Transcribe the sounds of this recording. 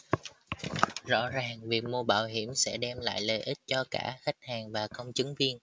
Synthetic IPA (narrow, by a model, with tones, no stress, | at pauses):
zɔ̰˧˥zaː˨˩ŋvi˨˩k̚mu˧ɓaː˧˩wɦi˧˩əmsɛ̰˧˥ɗɛ˧mla̰ː˧˨jlə˨˩ʔi˦˥t̚t͡ɕɔ˧ka̰ː˧˩xa˦˥jk̟̚haː˨˩ŋvaː˨˩kə˧wŋ͡mt͡ɕɨ˨˦ŋvi˧ən